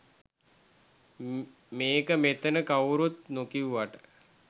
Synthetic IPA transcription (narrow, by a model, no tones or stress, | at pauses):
meːkəmet̪ənəkawɾut̪nukiuʋaʈə̥